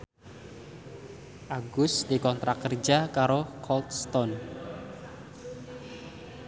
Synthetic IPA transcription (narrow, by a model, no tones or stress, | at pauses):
ʔaɡʊsd̪ikɔnt̪ɾakərd͡ʒakaɾokʰɔlt̪st̪ɔn